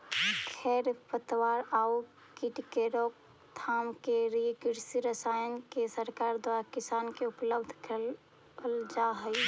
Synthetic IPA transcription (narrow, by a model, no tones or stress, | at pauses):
kʰɛːɾpət̪waːɾau | kɪʈkeɾoːk̚ | t̪ʰaːmkeliekɪɾsiɾəsajənkesəɾkaːɾd̪waːɾakɪsaːnkeʊpləbd̪ʱkə | əld͡ʒaɦəi